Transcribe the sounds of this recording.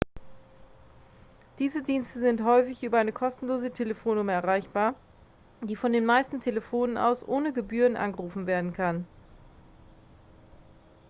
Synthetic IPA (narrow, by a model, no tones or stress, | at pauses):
d̥iːzədiːnstəzɪnthɔʏfɪçʔyːbɐʔaɪnəkʰɔstn̩loːzətʰeləfoːnːʊməɛɐʁ̞aɪçb̥aːɐ | d̥iːfɔndeːnmaɪstn̩tʰeləfoːnənʔa̰ʊsʔoːnəɡəbyːʁənʔa̰nɡəʁuːfn̩veːɐdn̩kʰan